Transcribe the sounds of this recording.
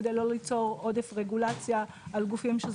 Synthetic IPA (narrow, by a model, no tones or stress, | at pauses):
d̪ejlolit͡so̞ʁo̞d̪efʁeɡulat͡sja | alɡufimʃe